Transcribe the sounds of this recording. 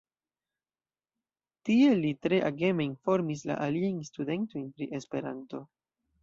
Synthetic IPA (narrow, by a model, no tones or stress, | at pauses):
tie̞litɾe̞ʔaɡe̞me̞info̞ɾmisla̰ʔaliajnstude̞nto̞jnpɾiʔe̞spe̞ɾanto̞